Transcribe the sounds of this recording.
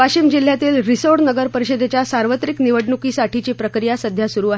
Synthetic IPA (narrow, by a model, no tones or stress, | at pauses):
pat͡ɕimd͡ʑil̤jat̪iːlɾisoɽnəɡəɾpəɾiɕəd̪ʱet͡ɕjasaɾʋət̪ɾikniʋəɽɳukiːsaʈʰit͡ɕipɾəkɾijasəd̪ʱjasuɾuːaɦe